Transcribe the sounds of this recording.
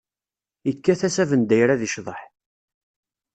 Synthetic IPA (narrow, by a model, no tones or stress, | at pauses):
ikːæθæsævənd̪æjɾæðiʃðˤəħ